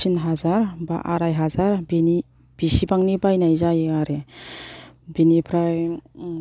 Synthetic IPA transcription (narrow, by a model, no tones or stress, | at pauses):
inɦazaɾba̰ʔaɾajɦazaɾbini | b̥isibaŋnibajnajzajaɾe | binipʰɾaj